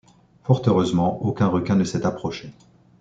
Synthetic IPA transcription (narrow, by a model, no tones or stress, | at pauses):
fɔʁt̪øʁøzmɑ̃okʲɛ̃ʁəkʲɛ̃nəsɛt̪apχɔʃe